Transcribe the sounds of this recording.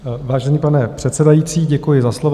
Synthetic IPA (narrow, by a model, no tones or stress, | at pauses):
vaːʒɛniːpanɛpr̥ɛt̪sɛdajit͡siːɟɛkujɪzaslov